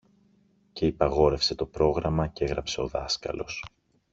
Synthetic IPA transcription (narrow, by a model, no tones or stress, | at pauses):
ce̞ipɐɣo̞ɾe̞fse̞t̪o̞pɾo̞ɣɾɐmɐce̞ɣɾɐpse̞o̞ðɐskɐ̰lo̞̰s